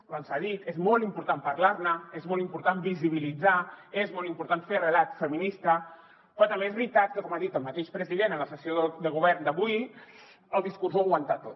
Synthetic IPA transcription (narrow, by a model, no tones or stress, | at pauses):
βansaðit̪ezmɔlˠimpuɾt̪ampəɾlaɾnəezmɔlˠimpuɾt̪ambiziβ̞ilid͡zaezmɔlˠimpuɾt̪anferəlat̪fəminist̪ə | pɾot̪əmbeezβɾit̪at̪̚kəkɔmaðit̪əlˠmət̪eʃpɾəziðenənləsəsioəd̪əɣuβ̞ɛɾnd̪əβuj | əlˠd̪iskurzoaɣwənt̪at̪ot̪